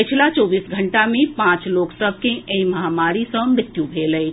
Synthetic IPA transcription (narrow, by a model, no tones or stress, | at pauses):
ɪt͡ʃʰilat͡ʃoːbiːsɡʱəɳʈamẽpãːt͡ʃloːksəbʱkẽʔẽĩmɐɦaːmaːɾisə̃mɾɪt̪jũbʱeːləe